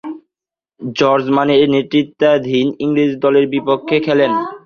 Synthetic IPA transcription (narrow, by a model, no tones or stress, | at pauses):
d͡ʑɔɾd͡ʑmaneɾnet̪ɾit̪ːad̪ʱiniŋɾid͡ʑd̪ɔleɾbipokʰːekʰɛlen